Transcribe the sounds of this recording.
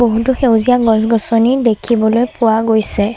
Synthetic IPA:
boɦutʊxewzijaɡɔ̃zɡɔsɔnidekʰibɔlojpʊwaɡojsɛ

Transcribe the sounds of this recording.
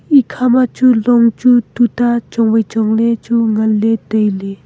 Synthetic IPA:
ikʰamat͡ɕuloŋt͡ɕut̪ut̪at͡ʃoŋwet͡ʃoŋlet͡ɕuŋəlːet̪əjle

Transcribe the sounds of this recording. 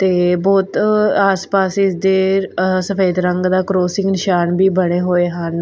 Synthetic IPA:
t̪eːbɔːt̪aːspaːsɪsd̪eːsəfʰeːd̪ɾəŋɡd̪aːkɾoːsɪŋɡnɪʃaːnbiːbəɽ̃eːɦoːeːɦən

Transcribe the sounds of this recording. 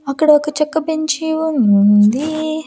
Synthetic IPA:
ɐkːɐɽɐokːɐt͡ʃɐkːɐpeɲt͡ʃiʋunund̪i

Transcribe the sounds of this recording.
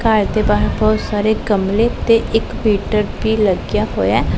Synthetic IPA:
kaːɾd̪eːbaːɦbɔːt̪saːɾeːɡəmleːt̪eʔɪkmiːʈəɾbiːləɡjaːɦo̰ːjaː

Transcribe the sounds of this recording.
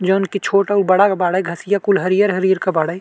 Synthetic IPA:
d͡ʒonkit͡ʃʰoːʈaubəɽakabaːɽəjɡʱəsijakulɦəɾijəɾɦəɾiːəɾkabaːɽaj

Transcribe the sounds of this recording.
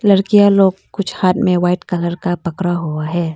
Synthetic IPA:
ləɾkijaloːɡkʊt͡ʃʰhaːt̪mẽwaːɪʈkələɾkapɐkɾaɦoaɦɛː

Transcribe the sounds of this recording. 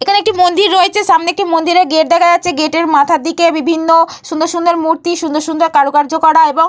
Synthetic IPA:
ekʰaneek̚ʈimond̪iɾːoet͡ɕʰeʃamneek̚ʈimond̪iɾeɾɡeʈ̚d̪ɛkʰajatːɕʰeɡeʈeɾmat̪ʰad̪ikebibʱinːoʃund̪oɾʃund̪eɾmuɾt̪iʃund̪oɾʃund̪eɾkaɾokaɾd͡ʑokɔɽaeboŋ

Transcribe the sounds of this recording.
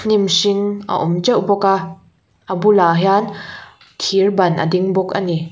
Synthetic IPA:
nimsiŋʔɐ̰ʔɔmt͡ʃɐwbɔka | ʔəbulaɦjan | t̪ʰirbɐnʔə̰diŋbɔkɐ̰ni

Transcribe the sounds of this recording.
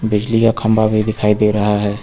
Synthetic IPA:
bɪd͡ʒlikakʰɐmbabʱid̪ɪkʰaːid̪eːɾɐɦaɦɛː

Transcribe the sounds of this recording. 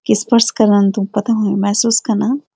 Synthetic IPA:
kispəɾskɐɾnant̪ũmpɐt̪aɦõemɛɦsuːskɐɾna

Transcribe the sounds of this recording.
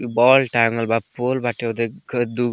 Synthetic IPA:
bɔlʈaŋɡəlbapolbaʈed̪ekʰəd̪u

